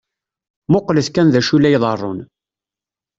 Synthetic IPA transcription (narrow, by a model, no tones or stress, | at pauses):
mʊqləθkænðæʃulæjðˤɑrˤːo̰n